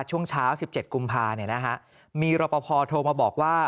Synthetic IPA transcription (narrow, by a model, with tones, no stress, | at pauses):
t͡ɕʰu˥˩əŋt͡ɕʰaː˦˥wsi˨˩p̚t͡ɕe˨˩t̪̚ku˧mpʰaː˧ni˥˩ɐna˦˥kʰa˦˥ʔ | miː˧ɾɔː˧˩pɔ˧pʰɔː˧t̪ʰoː˧maː˧bɔː˨˩k̚waː˥˩